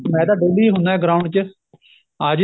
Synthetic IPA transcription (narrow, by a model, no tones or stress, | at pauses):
mɛ̃ːd̪aːɖeːliːɦʊ̃nd̪aːɛːɡɾaːʊɳɖt͡ʃə | əd͡ʒ